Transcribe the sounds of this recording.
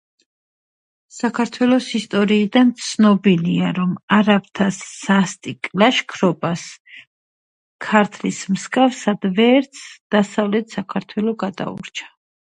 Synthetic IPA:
sakʰaɾt̪ʰwɛlˠɔsist̪ʼɔɾiːd̪ant̪sʰnɔbiliaɾɔmaɾap̚t̪ʰasːast̪ʼikʼlaʃkʰɾɔpʼas | kʰaɾt̪ʰlismskʼafsad̪vɛːɾt̪sʰd̪̥asavlɛt̪ʰsakʰaɾt̪ʰwɛlˠɔɡad̪a̰ṵɾt͡ʃʰḁ

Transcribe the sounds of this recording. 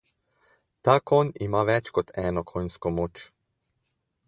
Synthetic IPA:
t̪aːkɔnimaʋɛt͡ʃkɔt̪ɛːnɔkʰojnskɔmoːt͡ʃ

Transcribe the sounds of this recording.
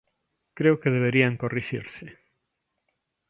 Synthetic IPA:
kɾeʊkeðeβ̞eɾiaŋkoriʃḭɾse

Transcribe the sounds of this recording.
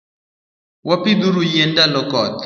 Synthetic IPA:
wapɪd̪uɾujendalɔkɔt̪

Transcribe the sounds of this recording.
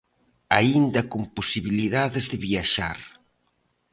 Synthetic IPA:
aind̪ɐkomposiβiliðaðezðɪβiaʃa̰ɾ

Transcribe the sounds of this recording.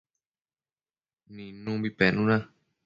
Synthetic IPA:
nĩnũbipenũnã

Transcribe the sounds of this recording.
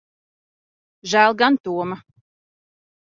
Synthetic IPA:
ʒælˠɡant̪uɔma

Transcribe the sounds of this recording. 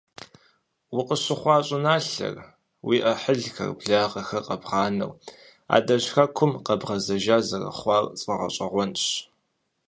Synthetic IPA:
wʊqəɕɪχʷɑːɕʼɪnaːɬɐ̰r | wiːʔɐħəɮxɐ̰rbɮaːʁɐxɐqɐbʁɑːnɐ̰w | a̰ːdɐɕxɐkʷʰʊmqɐbʁɐzɐʒaːzɐrɐ̰χʷɑːrt͡sʼɐʁɐ̰ɕʷʼɐʁʷɔnɕ

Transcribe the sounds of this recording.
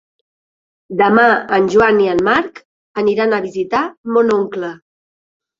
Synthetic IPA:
d̪əmaənʲʒwaniənmaɾk | əniɾanəβizit̪amonoŋklə

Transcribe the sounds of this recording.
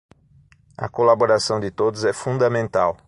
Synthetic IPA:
ɐ̰kolaboɾasɐ̃w̃d͡ʒ̪ɪt̪od̪ʊzɛfũnd̪ɐmẽnt̪aw

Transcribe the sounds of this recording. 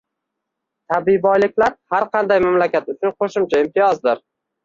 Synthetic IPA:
t̪ʰabɪbɒjlɪkʲlaɾhaɾqʰɑnd̪ajmamlakʲat̪ʊt͡ʃʊnqʰoʃɪmt͡ʃʰaɪmt̪ʰɪjɒzd̪ɪɾ

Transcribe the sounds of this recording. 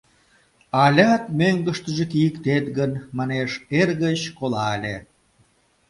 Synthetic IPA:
ɑlʲɑt̪møŋɡə̆ʃt̪ə̆ʒĕkijəkt̪et̪̚ɣənmɑneʃerɣət͡ɕkolɑlʲḛ

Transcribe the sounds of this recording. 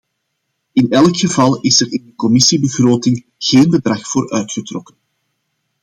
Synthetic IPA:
ɪnɛlˠkxəvɑlˠɪsɛrɪndəkɔmɪsibəɣroːtɪŋ | ɣeːnbədrɑxfoːɾʔœɥtxətrɔkən

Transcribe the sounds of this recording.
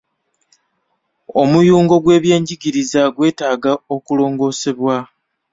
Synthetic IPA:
o̞mujuːŋɡo̞ɡwe̞ːβje̞ːɲɟiɡiɾizaɡwe̞ːtaːɡao̞kulo̞ːŋɡo̞ːse̞βwa

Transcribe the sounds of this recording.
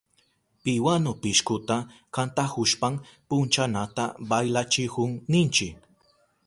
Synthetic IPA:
pɪwanopɪʃkʊt̪akant̪ahʊʃpampʊnt͡ʃanat̪a̰bajlat͡ʃɪhʊŋnɪnt͡ʃɪk

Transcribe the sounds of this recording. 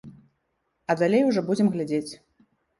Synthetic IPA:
ɐd̪alʲejuʐɔbud͡zʲɛmɣlʲad͡zʲet͡sʲ

